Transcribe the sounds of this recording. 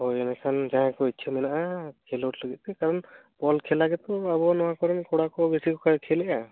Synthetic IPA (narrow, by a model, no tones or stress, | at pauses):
hojɛnɛkʰanzãɦãkɔit̪̚t͡ʃʰɛmɛnaʔakʰɛlɔʈləɡit̪̚t̪ɛkaɾɔn | bɔlkʰɛlaɡɛt̪ɔabɔnɔwakɔɾɛmkɔɽakɔbesikɔkʰakʰɛlɛʔa